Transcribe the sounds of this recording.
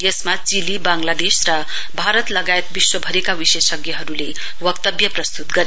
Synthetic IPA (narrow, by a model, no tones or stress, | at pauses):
jesmat͡silibaŋlad̪esrʌ | bʱaɾʌt̪lʌɡaet̪̚biswʌbʱʌɾekawisesʌɡjʌɦʌɾule | wʌkt̪ʌbjʌprʌst̪ut̪ɡʌɾe